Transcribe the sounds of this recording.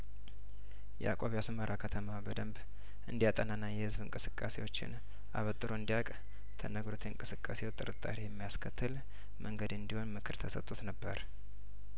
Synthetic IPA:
jɛ̰ʔa̰kʼoβjasməɾʔakʰət̪ʰəmabəd̪əmb | ʔɨnd̪ijat̪ʼənanːajɛhɨzβɨŋkʼɨsɨkʼːase̞wo̞t͡ʃːɪ̰n | a̰βət̪ʼːɨɾoɨnd̪ijakʼ | t̪ʰənəɡɾot̪ʰeɨŋkʼɨsɨkʼːase̞wt̪ʼɨɾɨt̪ʼːa̰ɾejɛmːijaskʰət̪ʰːɨl | mʔəŋɡəd̪ɨnd̪iho̞nmɨkʰɨɾt̪ʰəsə̰t̪ʼut̪nəbːəɾ

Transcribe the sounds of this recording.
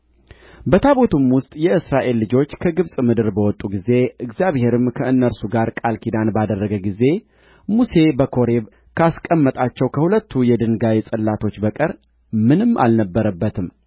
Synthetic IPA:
bət̪ʰaβo̞t̪ʰumwʊst̪ʼjɛɨsɾaʔe̞lːɨd͡ʒo̞t͡ʃːkʰəɡɨβsʼmɨd̪ɨɾbəwɔt̪ʼuɡize̞ɨkzijaβhe̞ɾɨmkʰəɨnːəɾsuɡaɾkʼalkʰid̪anbad̪ərːəɡəɡize̞ | muse̞bəkʰo̞ɾeβ | kʰaskʼəmːət̪ʼat͡ʃːɛwkʰəhulət̪ːujɛd̪ɨnɡajesʼɨlːat̪ʰo̞t͡ʃːbəkʼəɾ | mɨnɨmʔa̰lnəbːəɾəbːət̪ʰɨm

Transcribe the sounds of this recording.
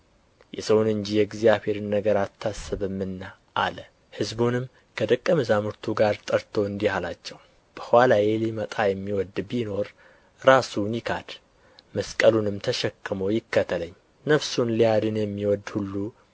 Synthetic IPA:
jɛsəwnɨɲd͡ʒijɛɡzijaβhe̞ɾɨnːəɡəɾat̪ʰːasːɨβɨmːɨnːa | ʔa̰lə | hɨzbunɨmː | kʰəd̪əkʼːəmɨzamɨɾt̪ʰuɡaɾt̪ʼəɾt̪ʰo̞ɨnd̪ihalat͡ʃːɛw | b̥əhʷwalajelimət̪ʼajɛmːiwɔd̪bino̞ɾ | ɾasunjɪkʰa̰d̪̥ | məskʼəlunɨmt̪ʰəʃɛkːɨmojɪkːət̪ʰələɲː | nəfsunlijad̪ɨnjɛmːiwɔd̪hulːu

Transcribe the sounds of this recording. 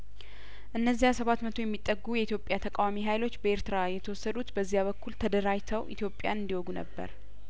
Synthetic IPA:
ʔɨnːəzːijasəβat̪mət̪ʰo̞jɛmːit̪ʼːəɡːujɛit̪ʰjo̞pʼjat̪ʰəkʼawamiɦajlo̞t͡ʃːbəe̞ɾt̪ɨɾajɛt̪ʰəwɔsːəd̪ut̪bəzːijaβəkʰːult̪ʰəd̪əɾajt̪ʰəwʔḭt̪jo̞pʼːjanɨnd̪iwɔɡunə̰bːə̰ɾ

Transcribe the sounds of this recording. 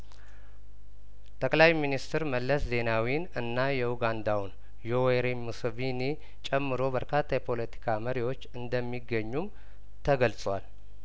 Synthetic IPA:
t̪ʰʼəkʼlajminist̪ʰɨɾməlːəsze̞nawinɨnːajɛwuɡand̪awn | joweɾimusvini | t͡ʃʼɛmːɨɾo̞bəɾkʰat̪ʰːajɛpʰo̞lət̪ʰi̥kʰaməɾiwo̞t͡ʃːɨnd̪əmːiɡːəɲːum | t̪ʰəɡəlsʼwal

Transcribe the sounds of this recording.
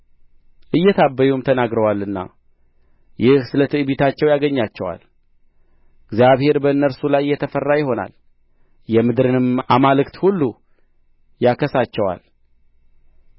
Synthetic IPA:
ʔɨjːɛt̪ʰabːəjumt̪ʰənaɡɾəwalːɨnːa̰ | jɪhsɨlət̪ʰɨʔɨbit̪ʰat͡ʃːɛwjaɡəɲːat͡ʃːɛwa̰l | ɨɡzijaβhe̞ɾbəɨnːəɾsulajjːɛt̪ʰəfərːajɪho̞na̰l | jɛmɨd̪ɾɨnɨmamalɨkt̪hulːu | jakʰəsat͡ʃːɛwa̰l

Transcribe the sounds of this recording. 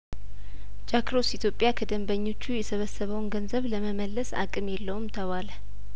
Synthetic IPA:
d͡ʒakɾo̞sit̪ʰjo̞pʼːjakʰəd̪əmbəɲːo̞t͡ʃːujɛsəβəsːəβəwnɡənzəβləməməlːəsa̰kʼɨmjɛlːəwumt̪ʰəβalə

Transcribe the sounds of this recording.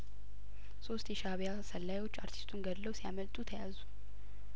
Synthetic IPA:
so̞st̪jɛʃaβjasəlːajwo̞t͡ʃːaɾt̪ʰi̥st̪ʰunɡəd̪lːəwsijaməlt̪ʼut̪ʰəjazu

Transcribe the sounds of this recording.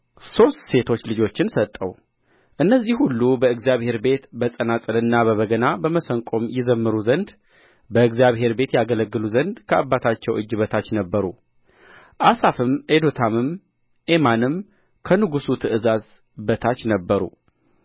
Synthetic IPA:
so̞st̪se̞t̪ʰo̞t͡ʃːlɨd͡ʒo̞t͡ʃːɪnsət̪ʼːəw | ʔɨnːəzːihulːubəɨɡzjaβhe̞ɾbe̞t̪bəsʼənat͡sʼɨlɨnːaβəβəɡənabəməsəŋkʼo̞mjɪzəmːɨɾuzənd̪ | bəɨɡzijaβhe̞ɾbe̞t̪jaɡələɡːɨluzənd̪kʰəʔabːat̪ʰat͡ʃːɛwɨd͡ʒːɨβət̪ʰat͡ʃːnəbːəɾṵ | ʔasafɨmʔe̞d̪ot̪ʰamɨm | ʔemanɨm | kʰənɨɡusut̪ʰɨʔɨzaz | bət̪ʰat͡ʃːnəbːəɾṵ

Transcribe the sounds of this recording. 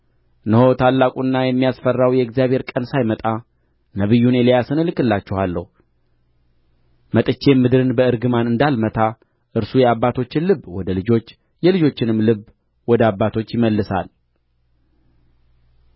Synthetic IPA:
nəho̞t̪ʰalːakʼunːajɛmːijasfərːawjɛɨɡzijaβhe̞ɾkʼənsajmət̪ʼa | nəβɨjːunjɛlejasɨnɨlɨkʼɨlːat͡ʃːɛhalːə̰hu | mət̪ʼɨt͡ʃːe̞mɨd̪ɨɾɨnbəɨɾɡɨmanɨnd̪almət̪ʰa | ʔɨɾsujɛaβːat̪ʰo̞t͡ʃːɪnlɨbːwɔd̪əlɨd͡ʒo̞t͡ʃː | jɛlɨd͡ʒo̞t͡ʃːɪnɨmlɨb | wɔd̪əabːat̪ʰo̞t͡ʃːjɪməlːɨsa̰l

